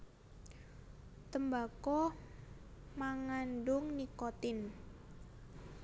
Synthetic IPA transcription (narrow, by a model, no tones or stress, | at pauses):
t̪əmbakɔ | maŋanɖʊŋnikɔt̪ɪn